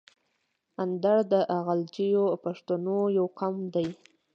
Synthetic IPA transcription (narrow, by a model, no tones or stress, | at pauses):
and̪aɽd̪əʔaɣald͡ʒijopaʂt̪anojawqamd̪aj